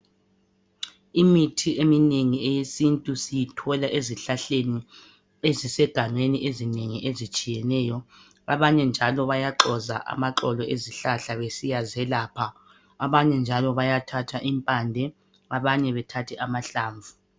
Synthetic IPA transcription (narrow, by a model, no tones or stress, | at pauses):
imitʰiemineŋiɛjesintʼusijitʰɔlaʔeziɬaɬeni | ezisɛɡ̥ʱaŋ͡ǀeniʔezineŋiʔezit͡ʃʼijɛnɛːjɔ | aβaɲɛnd͡ʒʱalɔβajaǃɔza̰ʔa̰maǁɔlɔʔeziɬaɬaβesijazɛlaːpʰa | aβaɲɛnd͡ʒʱalɔβajatʰatʰaʔimpʼandʱɛ | aβaɲɛβɛtʰatʰɛʔamaɬaːɱvʱu